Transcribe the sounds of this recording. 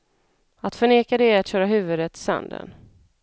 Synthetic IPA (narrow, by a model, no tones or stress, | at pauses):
at̪fœɳeːkad̪ɛat̪ɕœːɾaɦʉ̟ːvɵd̪ət̪ʰːɪ̥sɛ̰nd̪ə̰n